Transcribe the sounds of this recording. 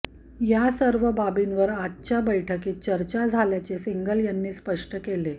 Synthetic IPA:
jasəɾʋəbabinʋəɾatːɕabəjʈʰəkiːt̪̚t͡ɕəɾt͡ɕad͡zʱaljat͡sesiŋɡəljanːiːspəʂʈəkele

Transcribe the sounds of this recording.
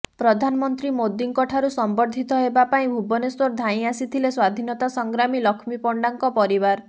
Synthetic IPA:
pɾɔd̪ʱanmɔnt̪ɾimod̪iŋkɔʈʰaɾusɔmbɔɾd̪ʱit̪ɔɦebapaĩbʱubɔneswɔɾd̪ʱaĩasit̪ʰileswad̪ʱinɔt̪asɔŋɡɾamilɔkʰmipɔɳɖaŋkɔpɔɾibaɾ

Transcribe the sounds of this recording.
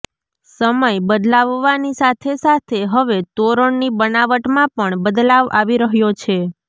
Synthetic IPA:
səməjbəd̪laʋːanisat̪ʰesat̪ʰeɦəʋet̪oɾəɳnibənaʋəʈmãpəɳbəd̪laʋaʋiɾəɦjot͡ʃʰe

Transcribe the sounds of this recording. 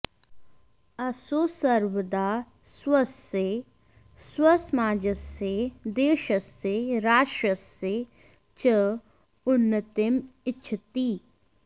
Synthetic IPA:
ɐsoːsəɾʋəd̪a | swəse | swəsmaːd͡ʒəsed̪eːʃəseɾaːʃɾəse | t͡ʃə | ʊnːət̪ɪmɪtt͡ʃʰət̪iː

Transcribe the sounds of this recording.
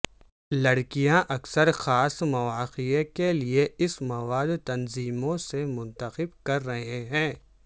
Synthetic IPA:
lɐɽkijãʔɐksəɾxaːsmɐʋaːqiekelieɪsmɐʋaːd̪t̪ɐnziːmõsemʊ̃nt̪əqɪbkɐɾːɐɦeɦɛ̃ː

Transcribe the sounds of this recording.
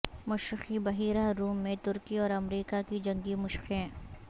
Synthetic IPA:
mʊʃɾɪxibɐɦiːɾaɾuːmːẽt̪ʊɾkiɔːɾɐmɾiːkakid͡ʒɐ̃ŋɡimʊʃxẽː

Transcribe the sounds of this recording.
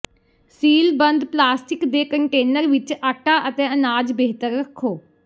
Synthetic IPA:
siːlbə̃nd̪plaːsʈɪkd̪eːkəɳʈeːnəɾʋɪt͡ʃaʈaːʔət̪eːənaːd͡ʒbeːɦt̪əɾːəkʰːoː

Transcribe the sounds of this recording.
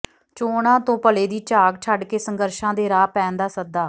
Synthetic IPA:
t͡ʃoːɽãːt̪õːpəleːd̪iːt͡ʃaːɡ̚t͡ʃʰaɖkeːsəŋɡəɾʃãːd̪eːɾaːpɛ̃ːnd̪aːsəd̪aː

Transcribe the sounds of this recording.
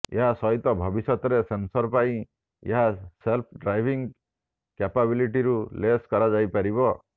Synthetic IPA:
eɦasɔɦit̪ɔbʱɔbisɔt̪ɾesensɔɾpaĩ | ḛɦaselpʰɖɾajbʱiŋ | kapabiliʈiɾuleskɔɾad͡ʒajpaɾiβɔ

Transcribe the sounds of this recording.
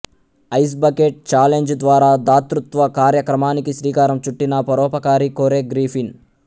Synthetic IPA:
ɐjs̬bɐkeʈ̚t͡ʃaːleɲd͡ʒd̪ʋaːɾaːd̪aːt̪ɾut̪ʋɐkaːɾjɐkɾɐmaːnikiʃɾiːkaːɾɐmt͡ʃuʈːinɐpɐɾɔːpɐkaːɾikoːɾeːɡɾiːpin

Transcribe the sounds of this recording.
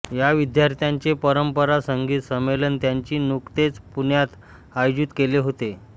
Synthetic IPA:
jaʋid̪jaɾt̪jaɲt͡ɕepəɾəmpəɾasəŋɡiːt̪səmːelənt̪jaɲt͡ɕiːnukt̪et͡spunjat̪ | ajod͡ʑit̪keleɦot̪e

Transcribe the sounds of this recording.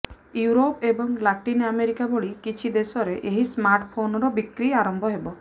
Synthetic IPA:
juɾopebɔŋlaʈinameɾikaboɭikit͡ʃʰid̪esɔɾeʔeɦismaɾʈpʰonɔɾɔbikɾiaɾɔmbʱɔɦebɔ

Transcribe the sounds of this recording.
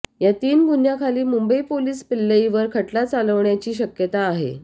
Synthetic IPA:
jat̪iːnɡʱunjakʰaliːmumbəipoliːspilːəiʋəɾkʰəʈlat͡saləʋɳjat͡ɕiːɕəkjət̪aːɦḛ

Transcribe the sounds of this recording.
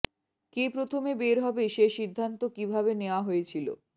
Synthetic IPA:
kepɾot̪ʰomebeɾɦɔbeʃeʃid̪ʱːant̪okibʱabeneoaɦojet͡ɕʰilo̰

